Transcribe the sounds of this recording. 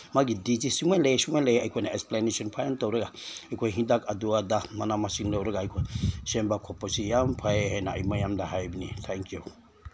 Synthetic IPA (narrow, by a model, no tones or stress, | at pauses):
maɡidit͡ʃisiŋʷwɛ̃lesiŋʷwɛlejajkʰʷenaɛksplaneʃɔnpʰaant̪owɾəɡaajkʰʷeɦĩdakaduad̪amanamasiŋlowɾəɡajkʰeʃɛmbakʰɔposijampʰajehena̰a̰imajamdaɦajbinḭt̪ʰɛŋkju